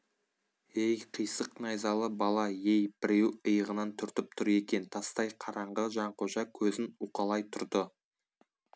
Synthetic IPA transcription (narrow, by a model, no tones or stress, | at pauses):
ejqʰijsəqnɑjzɑlˠəbɑlˠɑje̞jbɪɾe̞wəjəʁənɑnt̪ʰʏɾt̪ɪp̚t̪ʰʊɾe̞kʲe̞nt̪ʰɑst̪ɑjqʰɑɾɑɴʁəʒɑɴqʰoʒɑkʲʰɵzɪnuqɑlˠɑjt̪ʰʊɾd̪ə